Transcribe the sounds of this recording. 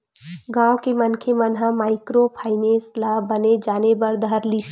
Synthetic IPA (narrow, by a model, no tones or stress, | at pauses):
ɡãːwkemənkʰemənɦãmaːɪkɾopʰaːɪneːslaːbəned͡ʒaːnebəɾd̪əɾli